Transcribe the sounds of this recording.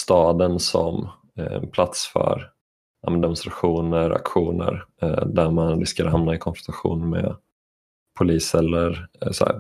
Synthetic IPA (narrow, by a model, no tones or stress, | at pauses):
st̪ɑːd̪ənsɔ̰m̰ | npʰlat̪sfœ̰ɾ | a̰mɛnd̪ɛmʊnst̪ɾaɧuːnəɾa̰kɧuːnə̰ɾd̪æɾmanɾʏ̰skad̪əɦamnaɪkʰɔnfɾɔnt̪aɧṵːnmḛ | pʰʊliːsɛlːəɾs